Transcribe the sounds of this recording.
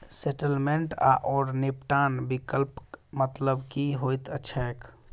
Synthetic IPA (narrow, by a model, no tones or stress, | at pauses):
seʈəlmẽɳʈa̰ʔɔːɾnɪpʈaːnbikəlpmət̪ləbkiɦoːjt̪ətːʃʰaek